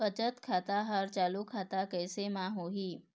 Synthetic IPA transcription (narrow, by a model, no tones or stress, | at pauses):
ət͡ʃət̪kʰat̪aɦaɾt͡ʃalukʰat̪akəjsemãɦoɦi